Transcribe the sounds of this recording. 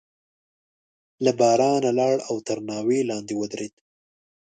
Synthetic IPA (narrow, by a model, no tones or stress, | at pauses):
labɑɾɑnalɑɽawt̪əɾnɑwelɑnd̪ewəd̪ɾed̪